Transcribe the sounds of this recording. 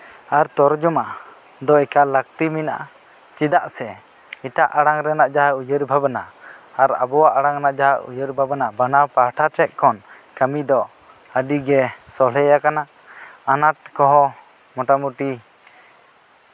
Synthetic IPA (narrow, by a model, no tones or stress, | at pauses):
aɾt̪ɔɾd͡ʒɔma | d̪ɔɛkalək̚t̪imina̰ʔa | t͡ʃid̪aʔsɛ | iʈaʔaɽaŋɾɛnaʔd͡ʒaɦaujəɾbʱabanaːɾa̰bɔwaʔaɽaŋnaʔd͡ʒaɦaʔʔṵjəɾbʱabənabanapaʈʰat͡ʃɛt̪̚ˀkɔn | kəmid̪ɔ | əɖiɡɛsɔlɛjakana | anaʈ̚kɔɦɔ | mɔʈamuʈi